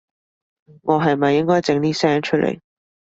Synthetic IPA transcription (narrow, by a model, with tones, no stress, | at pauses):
ŋɔː˨˧ɦɐ˨jmɐ˨jːɪ˥ŋkɔː˥jt͡sɪ˨˧ŋniː˦˥sɛː˥ŋt͡ʃʰɵ˥lḛ˨˩j